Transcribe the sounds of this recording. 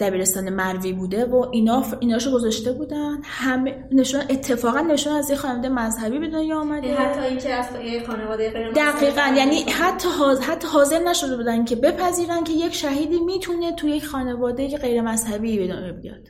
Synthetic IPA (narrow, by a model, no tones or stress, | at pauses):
d̪̥æbiːɾe̞st̪ɒːne̞mæɾviːbuːd̪e̞voʔiːnɒːiːnɒːʃoɡo̞zɒʃt̪e̞buːd̪ænd̪̥hæme | neʃunʔet̪ʰːe̞fɒːɣænːeʃuːnæzjecxɒːnevɒːd̪ejemæzhæbiːbe̞d̪unjeɔːmædeɦt̪ʰːɒiːnkʲʰez | jexɒːnevɒːd̪ejeeɾd̪æɣiːɣænjænihæt̪ʰːɒːhɦæt̪ʰːɒːɦɒːze̞ɾnæʃo̞d̪ebud̪æncʰebe̞pʰæziːɾæncʰe̞je̞cʃæɦiːd̪iːmiːt̪ʰune̞t̪ʰuje̞cʰxɒːne̞vɒːd̪ejeɢe̞jɾe̞mæzhæbiːbe̞d̪unjebijɒ̰d̪̥